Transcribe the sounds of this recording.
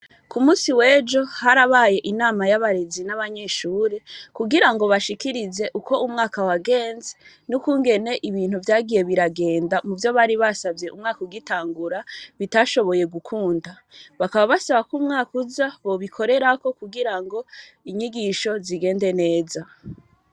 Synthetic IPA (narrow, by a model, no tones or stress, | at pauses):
kumuːsiwe̞ːd͡ʒo̞haɾaβaje̞ʔinaːmajaβaɾe̞zinaβaɲe̞ʃuːɾekuɡiɾaŋɡo̞βaʃikiɾize̞ʔuko̞umŋaːkawaɡe̞ːnze | nukuːŋɡe̞ne̞ʔiβiːn̥huvjaːɡije̞βiɾaɡe̞ːndamuvjo̞βaːɾiβasavje̞ʔṵmŋaːkuɡitaːŋɡuɾaβitaːʃo̞βo̞je̞ɡukʰuːnda | βakaβaβasaβakumŋaːkuzaβo̞βikʰo̞ɾe̞ɾako̞kuɡiɾaŋɡo̞ | iɲiɡiʃo̞ziɡe̞ːnde̞ne̞ːza